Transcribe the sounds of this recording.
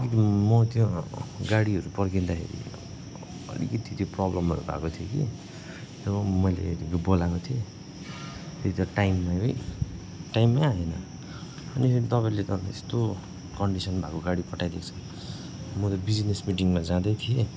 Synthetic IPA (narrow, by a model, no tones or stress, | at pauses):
ikʌt̪imʌt̪jõɡaɽiɦʌɾupʌrɡind̪akʰḛɾḭ | ʌ̰lḭkʌt̪ʰit̪joprʌblʌmɦʌ̰ɾṵbʱa̰kot̪ʰijokḭ | t̪ʌʌmʌjlḛibolakot̪ʰie | t̪jet̪ʰit̪ʌʈajmːajɦoj | ʈajmːaɦʌnʌ | ʌnit̪ʌpaĩlet̪ʌḛst̪o | kʌɳɖisʌnbʱakoɡaɽipʌʈʰːajlekt͡sʰʌ | mʌt̪ʌbid͡znesmiʈiŋmad͡zãd̪ʌjt̪ʰie